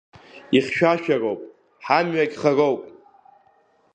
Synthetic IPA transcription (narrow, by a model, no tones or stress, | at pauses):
iχʲʃᶣaʃᶣarowpʼ | ħamɥaɡʲχarowpʼ